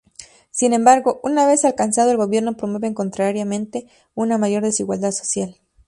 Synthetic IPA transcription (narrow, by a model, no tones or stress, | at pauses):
sinẽ̞mbaɾɣo̞ʔunaβe̞salkansað̞o̞elɣo̞βje̞ɾno̞pɾomwe̞βeŋko̞nt̪ɾaɾjamẽnt̪e̞ | unamaʝo̞ɾðe̞siɣwa̰ld̪aðso̞̥sjal